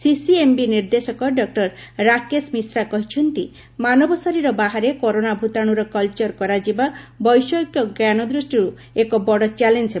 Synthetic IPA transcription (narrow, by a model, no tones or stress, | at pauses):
sisiembiniɾd̪esɔkɔɖɔk̚ʈɔɾ | ɾakesmisɾakɔɦit͡ʃʰɔnt̪i | manɔbɔsɔɾiɾɔbaɦaɾekoɾonabʱut̪aɽ̃uɾɔkɔlt͡ʃɔɾkɔɾad͡ʒibabɔjsɔjkjɔɡjanɔd̪ɾusʈiɾu | ekɔbɔɽɔt͡ʃalend͡ʒe